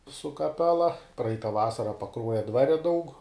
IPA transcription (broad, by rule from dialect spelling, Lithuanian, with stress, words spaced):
sʊ kɐˈpʲæːlˠɐ ˈprɐɪtɐ ˈʋɑːsɐrɐ pɐˈkruɔjɛ ˈdʋɑːrʲɛ dɐʊk